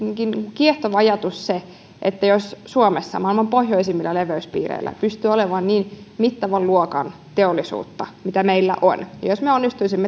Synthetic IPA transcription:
iːŋkinŋukieht̪oʋɑɑjɑt̪usse | ʔet̪ːæjossuomesːɑ̰mɑilmɑmpohjoisimːilːɑleʋøyspḭːrḛilːæ̰pyst̪yːoleʋɑnniːn | mit̪ːɑʋɑlluokɑn | t̪eolːisṵːt̪ːɑmit̪æmeilːæ̰ʔo̰njɑ̰josmeonːist̪uisimːe

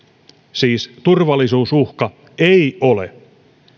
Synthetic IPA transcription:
siːst̪urʋɑlːˑisuːsuhkɑ | ejolḛ

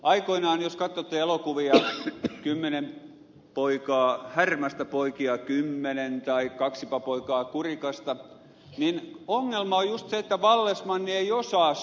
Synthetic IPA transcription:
ʔɑikoinɑːnjoskɑt̪ːot̪ːeelokuʋiɑkymːenem | poikɑːhærmɑst̪æpoikiɑkymːenent̪ɑikɑksipɑpoikɑːkurikɑst̪ɑ | ninoŋːelmɑojjust̪seet̪ːæʋɑlːesmɑnːieiosɑːs

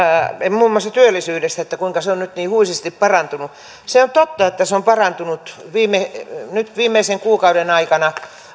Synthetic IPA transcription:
emmuːmːoɑst̪ɑt̪yølːisyːdest̪æet̪ːækuiŋkɑseonnyt̪niːhuisist̪ippɑrɑnt̪unu | seont̪ot̪ːɑet̪ːæseompɑrɑnt̪unut̪ʋiːmenyt̪ʋiːmˑeiseŋkuːkɑudenɑikɑnɑ

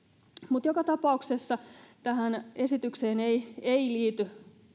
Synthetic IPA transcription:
mut̪jokɑt̪ɑpɑuksesːɑt̪æɦæne̞sit̪ykseːneieiliːt̪y

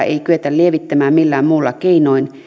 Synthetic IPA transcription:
ʔḛikyet̪ællieʋit̪ːæmæːmmilːæːmmuːlːɑkeinoin

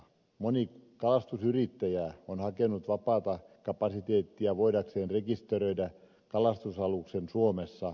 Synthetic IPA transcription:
monikɑlɑst̪usyrit̪ːæjæonhɑkenːˑut̪ʋɑpɑːt̪ɑkɑpɑsit̪eːt̪ːiæʋoidɑkseːnrekist̪erøidæ | kɑlɑst̪usɑluksensuomesːɑ

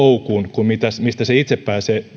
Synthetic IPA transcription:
oukuːnkumit̪æsmist̪æseit̪seppæːseː

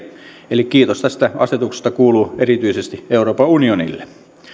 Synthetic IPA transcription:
elikkiːt̪ost̪æst̪æɑset̪ukse̥st̪ɑkuːluːʔerit̪yisest̪ieuroːpɑunionḭlːe

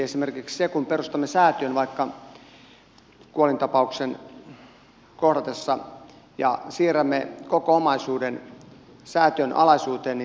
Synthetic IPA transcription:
esimerkikssekumperust̪ɑmːesæːt̪ønʋɑikːɑ | kuolint̪ɑpɑuksen | kohdɑt̪esːɑ | jɑ̰siːræmːekokoomɑisuːden | sæːt̪ønʔɑ̰lɑisuːt̪eːnni

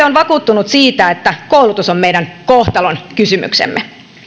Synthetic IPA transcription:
eonʋɑkuːt̪ːunut̪siːt̪æet̪ːækowlut̪usommejdænkoht̪ɑlonkysymy̰ksḛmːe

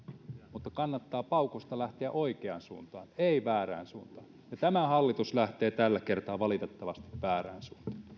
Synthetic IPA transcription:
mut̪ːɑkɑnːɑt̪ːɑːpɑukost̪ɑlæht̪eæ̰ʔoikeɑnsṵːnt̪ɑ̰ːneiʋæːræ̰ːnsuːnt̪ɑːnjɑt̪æmæhɑlːit̪uslæht̪eːt̪ælːækert̪ɑːʋɑlit̪et̪ːɑʋɑst̪iʋʋæːræ̰ːnsuːnt̪ɑ̥ː

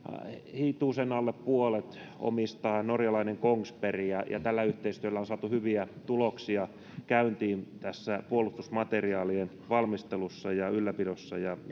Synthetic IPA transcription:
hit̪uːsenɑlːeppuolet̪ | o̰mist̪ɑːnorjɑlɑineŋkoŋsperijɑjɑ̰t̪ælːæyht̪eist̪yølːæonsɑːt̪uhyʋiæt̪uloksiɑ | kæynt̪iːnt̪æsːæpuolust̪usmɑt̪eriɑːlien | ʋɑlmist̪elusːɑjɑylːæpidosːɑ̰jɑ

